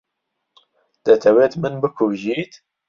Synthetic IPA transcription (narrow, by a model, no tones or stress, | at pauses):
d̪̥ɛt̪ʰɛweːt̪mɨnbɨkʰuʒiːt̪